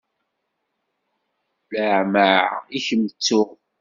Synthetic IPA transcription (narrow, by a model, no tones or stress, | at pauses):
ləʕmaʕiçəmət͡sːʊ